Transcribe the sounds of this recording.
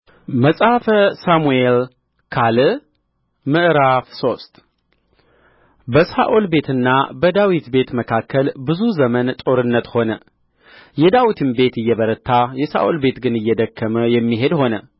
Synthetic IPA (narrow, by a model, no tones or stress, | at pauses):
məsʼafəsamuel | kʰalɨ | mɨʔɾafso̞st̪ʼ | bəsa̰ʔolbe̞t̪ʰɨnːa̰bəd̪awit̪be̞t̪məkʰakʰːəlbɨzuzəmənt̪ʼo̞ɾɨnːət̪ho̞nə | jɛd̪awit̪ʰɨnbe̞t̪ɨjːɛβəɾət̪ʰːajɛsa̰ʔolbe̞t̪ɡɨnɨjːɛd̪əkʰːəməjɛmːiɦe̞d̪ho̞nə